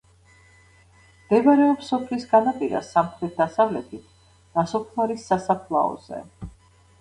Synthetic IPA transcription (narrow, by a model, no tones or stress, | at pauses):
md̪̥ɛvaɾɛɔpsɔpʰlisɡanapʼiɾa̰samχɾɛt̪̚ʰd̪asavlɛt̪ʰit̪ʰ | d̪̥asɔpʰmaɾisːasapʰlˠaɔ̰z̥ɛ̰